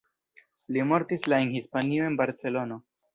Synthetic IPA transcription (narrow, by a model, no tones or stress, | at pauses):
limoɾt̪islaenhispanioenbaɾt͡selono